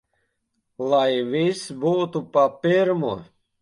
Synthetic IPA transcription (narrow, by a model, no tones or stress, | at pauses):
lˠajvisbuːt̪upapiɾmu